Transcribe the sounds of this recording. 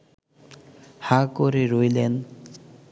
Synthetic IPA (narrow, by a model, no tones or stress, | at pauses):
hakoɾeɾojlen